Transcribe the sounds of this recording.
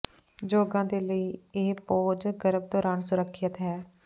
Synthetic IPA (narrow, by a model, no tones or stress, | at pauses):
d͡ʒoːɡãːd̪eːləiːeːpoːd͡ʒɡəɾəb̚d̪ɔːɾaːnsʊɾəkʰːət̪ɦɛː